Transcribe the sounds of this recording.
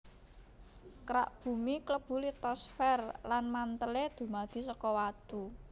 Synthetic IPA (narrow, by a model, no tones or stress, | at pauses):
kəɾa̰ʔb̥ṳmikləb̥ṳlit̪ɔsfɛrlanmant̪əled̪̥ṳmad̪̥i̤sɔkɔwat̪u